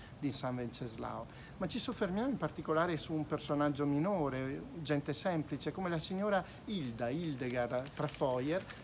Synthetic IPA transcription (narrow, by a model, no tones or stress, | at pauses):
d̪isaɱvɛnt͡ʃezla̰w | mat͡ʃːisufːermjaːmoimpart̪ikolaːɾesuːmpersonad͡ʒːominoːɾed͡ʒɛnt̪esɛmplit͡ʃekomelasiɲːoːɾa | ild̪aild̪eɡart̪ɾafɔjɛɾ